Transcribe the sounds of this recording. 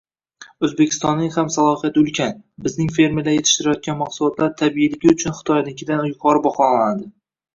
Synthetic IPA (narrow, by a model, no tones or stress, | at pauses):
ɵzbe̞kʲʰɪ̥st̪ɒnːɪŋhamsalˠɒhijat̪ɪɵlˠkʲʰanbɪznɪŋfe̞ɾmelaje̞t̪ʰɪʃt̪ɪɾajɒt̪̚kʲanmaqsʊlˠɒt̪ʰlaɾt̪ʰabiɪlɪɡʲɪʊt͡ʃʰʊnχɨ̥t̪ʰɒjad̪ɪkʲɪd̪anjʊqʰɒɾɪbɒχɒnanad̪ɪ